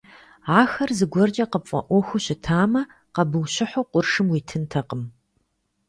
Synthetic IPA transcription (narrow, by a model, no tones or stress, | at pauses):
ʕaːxɐrzɨɡʷɔrd͡ʒʼɐqəpfʼɐ̰ʔʷɔxʷʊɕɪtʰaːmɐ | qɐbɨwɕɪħʷoqʷʊrʂɨmwiːtʰɨntʰɐqəm